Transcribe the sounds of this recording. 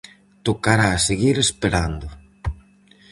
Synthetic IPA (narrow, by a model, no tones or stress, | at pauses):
t̪okaɾaseɣiɾespeɾand̪ʊ